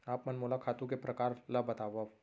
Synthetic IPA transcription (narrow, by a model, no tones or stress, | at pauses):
aːpmɐnmoːlakʰaːt̪ũkepɾɐkaːɾləbɐt̪aːʋa